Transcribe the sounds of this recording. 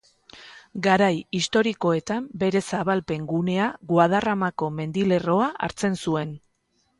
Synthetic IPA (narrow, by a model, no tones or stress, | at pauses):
ɡaɾajist̪o̞ɾiko̞e̞t̪ambe̞ɾe̞saβalpe̞ŋɡune̞aɣwað̞aramako̞me̞nd̪ile̞ro̞aʔa̰ɾt͡se̞nsue̞n